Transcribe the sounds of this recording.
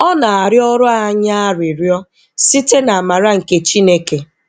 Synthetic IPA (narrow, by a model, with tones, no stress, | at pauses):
ɔ˦na˨a˨ɾjɔ˦ɾʊ˦a˦ɲa˦a˦ɾi˨ɾjɔ˦ | si˦te˦na˨a˨ma˨ɾa˦ŋ̩˨ke˨t͡ʃi˦ne˦ke˨